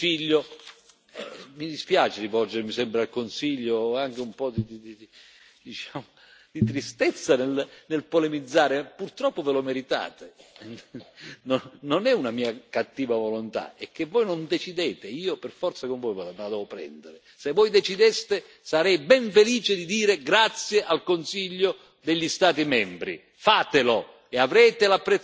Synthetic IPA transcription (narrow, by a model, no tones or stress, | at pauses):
fiʎːo | ɛ̰mid̪ispjaːt͡ʃeɾivɔld͡ʒeɾmisɛmpɾealkonsiʎːoaŋk̟eumpɔd̪id̪iid̪i | d̪it͡ʃaːmo | d̪it̪ɾist̪ɛt̪sːanelnelpolemid̪zːaːɾepurt̪ɾɔpːovɪlomeɾit̪a̰ːt̪e | nonnonɛunamiːakat̪ːiːvavolont̪a̰ɛk̟ːevːɔjnond̪et͡ʃid̪ɛːt̪ɪiːopɛrfɔrt̪sakoɱvɔjvmelad̪ɛːvopɾɛ̰nd̪eɾɪ | sevːɔjd̪ɛt͡ʃid̪ɛst̪e | saɾɛjbɛɱfeliːt͡ʃɪd̪id̪iːɾɪɡɾat̪sjeʔalkonsiʎːo | d̪eʎːist̪aːt̪imɛmbɾḭ | faːt̪ɪlo | eavɾɛːt̪ɪlapːɾe